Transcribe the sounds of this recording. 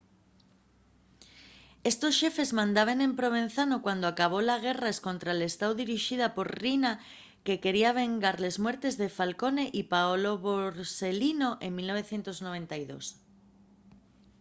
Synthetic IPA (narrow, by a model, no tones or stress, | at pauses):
est̪osʃefezmãnd̪aβ̞eŋempɾoβ̞en̟θanokwand̪oakaβ̞olaɣ̞eraeskont̪ɾaelest̪awðiɾiʃið̞apoɾrina | kekeɾiaβ̞eŋɡaɾlezmwɛɾt̪ezðefalkoneʔipaoloβoɾselinoʔeŋmilnoβeθjent̪oznoβent̪ajðo̰s